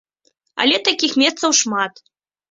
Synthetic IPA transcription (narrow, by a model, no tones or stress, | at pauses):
a̰lʲɛt̪akʲixmʲɛst̪sɐwʂmat̪